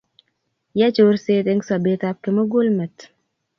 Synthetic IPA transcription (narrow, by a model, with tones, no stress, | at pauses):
ja˦t͡ʃo˨ɾse˦t̪ɪ˦ŋsɔ˨beta˦p̚kɪ˦mə˦ɡo˦lmɛ˨t